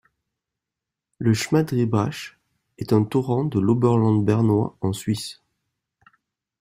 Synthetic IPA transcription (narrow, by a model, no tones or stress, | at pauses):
ləʃmad̪ʁibʁaʃ | ɛt̪ɛ̃t̪uʁɑ̃d̪əlobœʁlɑ̃d̪bɛʁnwa̰ɑ̃sɥis